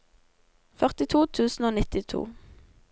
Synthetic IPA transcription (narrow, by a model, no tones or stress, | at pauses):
fœʁt̪ɪt̪ʰuːt̪ʰʉːsn̩oːnɪt̪ɪt̪ʰṵː